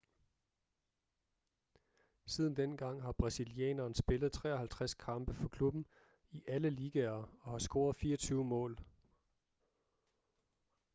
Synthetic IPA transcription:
sið̞ˠn̩d̥enɡ̥ɑ̈ŋ̰ɦɑ̈b̥ʁɑ̈silijɛ̰ːnɐːnsb̥e̝ləð̞̩ˠt͡sʰʁɛ̰ːɒ̽hælt͡sʰʁaskʰɑ̈mb̥əfɒ̽kʰlub̥n̩ | iʔæləliːɡ̥ɛɐɒ̽hɑ̈sɡ̥o̝ːɐðˠfiːɐɒt͡sʰyːʊmɔ̰̽ːl

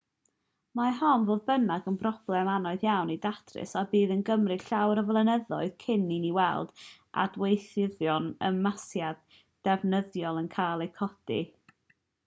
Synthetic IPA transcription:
maɦɔnvoːðbənaɡənbrɔb̥lˠɛmanɔɨðjawnidatʰrɪ̰sabiːðənɡəmrɨɬawɾəvlˠənəðɔɨð̥kʰɪniniwɛ̰lˠd̥ʔa̰dwejθɪðjɔnə̰nmasjad | d̥ɛvnəðjɔlˠənkʰaːlˠejkʰɔd̥ḭ

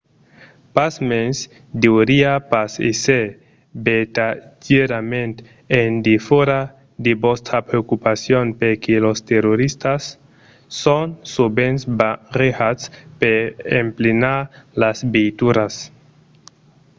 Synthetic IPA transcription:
pasmens | d̪ewɾiapasise | bet̪ad͡ʒeɾamẽnt̪ | end̪ifoɾa | d̪ebost̪ɾapɾeokupasjonpeɾkelost̪eroɾist̪asː | onsubensbarexaspeemplinaɾlasbejt̪uɾas

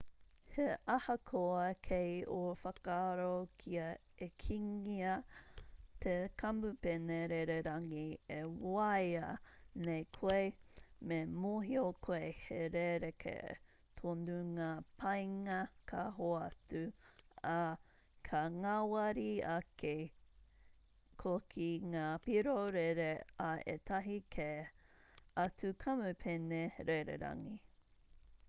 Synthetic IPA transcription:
heʔɐhɐkʰoɐkʰejofɐkaɾokʰiɐ | ekʰiŋiɐ | t̪ʰekʰɐmupeneɾeɾeɾɐŋiewɐjɐnejkʰoejmemoɦiokʰoeheɾeɾekʰḛ | tʰonduŋaːpʰɐjŋɐkʰaɦoɐtʉa | kʰɐŋawɐɾiɐkʰe | kʰokʰiŋaːpiɾoɾeɾeaḛtʰɐɦikʰe | ɐtʉkʰɐmʉpʰeneɾeɾḛɾɐ̰ŋi

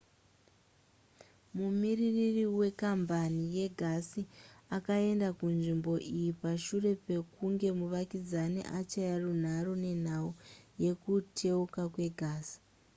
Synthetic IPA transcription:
mumiriririwe̞kambanije̞ɡʱasiakae̞ndakunʐimbo̞ʔijipaʃure̞pe̞kuŋɡe̞muʋakid͡zanḭʔat͡ʃajarun̤aɾone̞n̤auje̞kutʰe̞ukakwe̞ɡʱaːsi̥

